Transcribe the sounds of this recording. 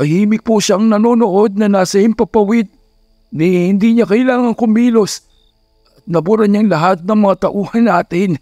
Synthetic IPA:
ɐhiːmɪk̚puʃaʔŋnɐnoːnoʔo̞d̪̚nɐnasɐjɪmpɐpɐwɪd̪̚ | nɛhɪnd̪iɲakɐɪlaːŋɐŋkʊmiːlos | ʔɐt̪̚nɐbʊɾɐɲaŋlɐɦat̪̚nɐŋmɐŋat̪ɐʔuːhɐnːaːt̪ɪn

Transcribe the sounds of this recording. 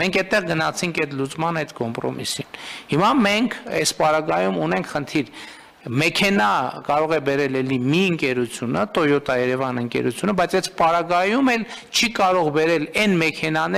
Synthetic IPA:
mɛŋkʰɛt̪ːɛʁɡənɑt͡sʰiŋkʰɛt̪ʰlut͡smɑnɛjt̪kɔmpɾɔ̰mḭsinhimɑmɛŋkʰɛspɑɾɑɡɑjumunɛŋkʰχənt̪ʰiɾ | mɛkʰɛnɑkɑɾɔʁɛbɛɾɛlɛlimiəŋkɛɾut͡sʰjunət̪ɔjɔt̪ɑjɛɾɛvɑnəŋkɛ̰ɾṵt͡sʰjunəbɑjt͡sʰɛspɑɾɑɡɑjumɛl | t͡ʃʰikɑɾɔʁbɛɾɛlɛnmɛkʰɛnɑnɛ

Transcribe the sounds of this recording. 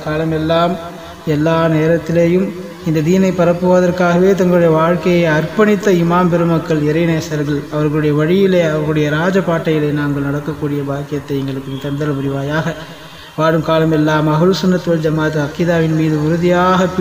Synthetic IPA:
kaːlɐmɛlːaːm | ɛlːaːneːɾɐt̪ːɪleːjɯm | ɪnd̪ɐd̪iːnɐɪpːɐɾɐpːɯʋɐðɐrkaːɣɐʋeːt̪̬ɐŋɡɐɭɯɽɐjɐʋaːɻkɐjɐɪɐrpɐɳɪt̪ːɐɪmaːmpɛɾɯmɐkːɐɭɪɾɐɪneːsɐɾɣɐɭɐʋɐɾɣɐɭɯɽɐjɐʋɐɻɪjɪleːɐʋɐɾɣɐɯɽɐjɐɾaːd͡ʒɐpaːʈːɐjɪlɐɪnaːŋɡɐɭnɐɽɐkːɐkːuːɽɪjɐbaːkɪjɐt̪ːɐɪɛŋɡɐɭɯkːɯt̪ɐnd̪ɐɾlɐmʊɾɪʋaːjaːɣɐ | ʋaːɻɯmkaːlɐmɛlːaːmɐɣɐlsʊnːɐt̪ːʋɐld͡ʒɐmaːt̪ɯɐkɪðaːʋɪnmiːðɯʊɾʊðɪjaːɣɐp

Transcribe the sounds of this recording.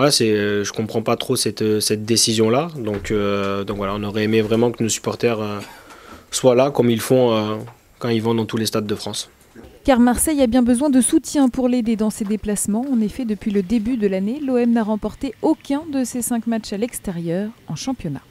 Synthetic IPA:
alasɛøʒəkɔ̃pχɑ̃pat̪χosɛt̪øsɛt̪̚d̪esizjɔ̃lad̪ɔ̃kʰød̪ɔ̃kvwalaɔ̃nɔʁɛemevʁɛmɑ̃kənosy̥pɔʁt̪ɛʁø | swalakɔmilfɔ̃ø | kɑ̃ilvɔ̃d̪ɑ̃t̪ulest̪ad̪ːəfχɑ̃s | kaʁmaʁsɛjabjɛ̃bəzwɛ̃d̪əsut̪jɛ̃puʁled̪ed̪ɑ̃sed̪eplasmɑ̃ːnefɛd̪əpɥiləd̪ebyd̪əlaneloɛmnaʁɑ̃pɔʁt̪eokʲɛ̃d̪əsesɛ̃kmat͡ʃalɛkst̪ɛʁjœːʁɑ̃ʃɑ̃pjɔna̰

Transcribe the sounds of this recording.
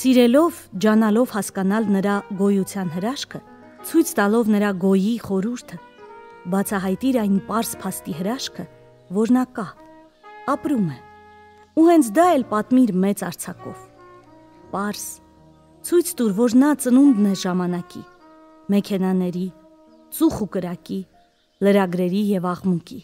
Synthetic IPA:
siɾɛlɔvd͡ʒɑnɑlɔvhɑskɑnɑlnəɾɑɡɔjut͡sʰjɑnɦəɾɑʃkʰə | t͡sʰujt͡sʰt̪ɑlɔvnəɾɑɡɔjiχɔɾuɾt̪ʰə | bɑt͡sʰɑɦɑjt̪iɾɑjnpɑɾspʰɑst̪iɦəɾɑʃkʰə | vɔɾnɑkɑ | ɑpɾumɛ | uhɛnt͡sʰd̪ɑɛlpɑt̪miɾmɛt͡sɑɾt͡sʰɑkɔ̰v | pɑɾs | t͡sʰujt͡sʰt̪uɾvɔɾnɑt͡sənund̪nɛʒɑmɑnɑkḭ | mɛkʰɛnɑnɛɾi | t͡suχukəɾɑki | ləɾɑɡɾɛɾijɛvɑʁmuki

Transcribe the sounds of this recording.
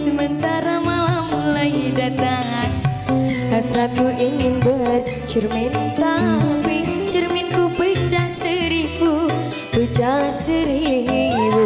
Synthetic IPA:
səmənt̪aɾamalamulaidat̪aɦan | hasɾat̪uʔiŋɪnbəd | t͡ʃərmint̪aiŋt͡ʃərminkupət͡ʃasəɾiku | bət͡ʃasəɾiɦiw

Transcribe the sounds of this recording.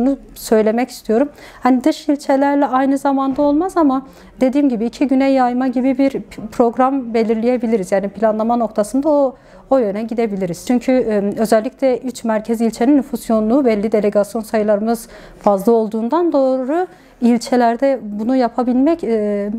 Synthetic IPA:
nu | sø̞jlʲe̞mɛci̥st̪ʰijo̞ɾum | hanid̪ɯʃilʲt͡ʃʰelʲæɾlʲɛajnɯzamand̪ao̞lˠmazama | d̪e̞d̪iːmɟibiːcʰiɟynɛjːajmaɟibibiɾpʰɾo̞ɡɾambe̞lʲiɾlʲije̞bilʲiɾizjaːnipʰilʲanlˠamano̞k̚t̪ʰasɯnd̪ao | ojø̞nɛɟid̪e̞bilʲiɾiz̥t͡ʃʰyɲcʰyø̞zɛlʲːiclʲɛʔyt͡ʃmæɾcʰɛzilʲt͡ʃʰe̞ninːyfusjo̞nlˠuːvɛlʲːid̪e̞lʲe̞ɡasijo̞nsajɯlˠaɾɯmɯz | fazlˠao̞lˠd̪uːnd̪and̪o̞ːɾu | ilʲt͡ʃʰelʲæɾd̪ɛbunujapʰabilʲmɛc

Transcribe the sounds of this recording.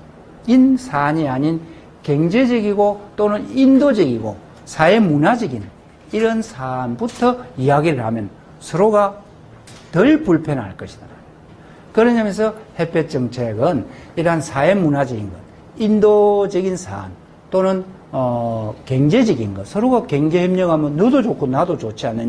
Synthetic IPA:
insʰaɲiaɲin | keŋd͡ʑed͡ʑɯɡiɡot͈onɯnindod͡ʑʌɡiɡo̰ | sʰaemunad͡ʑiɡin | iɾʌnsʰanbutʰʌiaɡiɾɯɭhamjʌn | sʰʌɾoɡa | tɯɭpuɭpʰenɦa̰ɭk͈ʌɕʰi̥d̥a | kɯɾʌɲamjʌnsʰʌhepʰet͡ɕ͈ʌŋt͡ɕʰeɡɯniɾɦansʰaemːunad͡ʑəɡinɡʌ̰n | indod͡ʑʌɡinsʰa̰n | t͈onɯn | ʌkeŋd͡ʑed͡ʑʌɡinɡʌnsʰʌɾoɡakeŋd͡ʑeheʌmɲʌɡamjʌnːʌdod͡ʑokʰunadot͡ɕot͡ɕʰianːɯɲ

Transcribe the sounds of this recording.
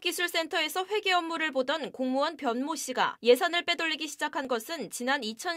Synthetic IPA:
k͈isʰuɭs͈e̞ntʰʌe̞sʰʌɸwe̞ɡeʌmːuɾɯɭbodʌnkoŋmuʌnpjʌnmoɕ͈ʰiɡa̰je̞sʰanɯɭp͈e̞doʎːiɡiɕʰid͡ʑakʰanɡʌsʰɯnt͡ɕinanit͡ɕʰʌ

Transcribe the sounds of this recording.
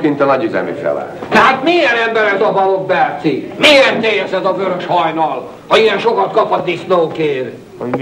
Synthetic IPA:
kint̪ɒnɒɟyzɛ̰mḭfɛ̰la̰ːt̪t̪ɛɦaːt̪miːɛnɛmbɛɾɛzɒbɒlobːɛːt̪simeːert̪ːeːjɛsɛzɒvøɾøʃhɒjnɒl | hɒijɛnʃo̞kɒt̪kɒpɒt̪isnoːkeːr | o

